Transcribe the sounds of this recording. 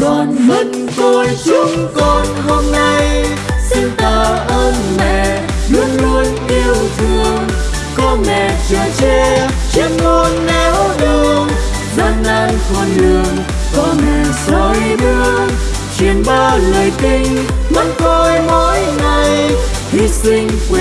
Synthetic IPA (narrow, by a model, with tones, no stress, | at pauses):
kɔ˧˩nmə˨˩n | k̪o˧˨˩jsʊ˧˦ŋ͡mkɔ˧nho˧mna˧j | si˧ŋt̪əː˨˩ʔəː˧nmɛ̰˧˨˩ | ɗɨ˧˥əŋlu˧ənʔi˧əwt̪ʰɨ˧˩əŋ | kɔ˧mɛ̰˧˨t͡ɕɛ˧˩t͡ɕɛ˧ | t͡ɕi˧n̚mu˧ənnɛ˨˧˦wɗɨ˨˧˩əŋ | za˧nlaː˧nkɔ˨˩nlɨ˨˩əŋ | kɔ˨˧˦ɲɨ˧sə˨˩jmɨ˧ə | t͡ɕwi˨˩ənɓaː˧ləː˨˩jt̪i˧ŋ̟mə˧nk̪o˧jmo˧˨˥jŋa˨˩j | hi˧˩sï˧ŋ̟k